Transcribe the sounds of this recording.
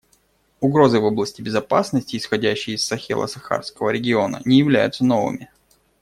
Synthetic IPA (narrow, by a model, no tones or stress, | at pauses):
ʊɡɾo̞zɨvo̞blˠəsʲtʲɪbʲɪzɐpasnəsʲtʲɪːsxɐdʲæɕːɪjɪsːɐxʲḛlˠə̰sɐxa̰rskəvəɾʲɪɡʲɪo̞nə̰nʲɪjɪvlʲæ̰jʊt̪səno̞vɨ̰mʲɪ